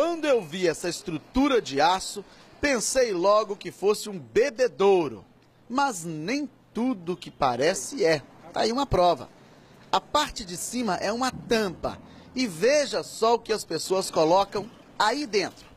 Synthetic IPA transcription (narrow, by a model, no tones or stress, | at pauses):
kwɐ̃nd̪ʊewviɛsɐɪst̪ɾut̪uɾɐd͡ʒɪasʊ | pẽsejlɔɡʊkɪfosɪũbebed̪oɾʊ̰ | mɐznẽj̃t̪ud̪ʊkɪpa̰ɾɛsɪɛt̪a̰iũmɐpɾɔvɐ̰ | ɐpaɾt͡ʃɪd͡ʒɪsĩmɐʔɛũmɐt̪ɐ̃mpɐ̰ | ɪveʒɐsɔʊkɪɐspesoɐskolɔkɐ̃w̃ | aid̪ẽnt̪ɾʊ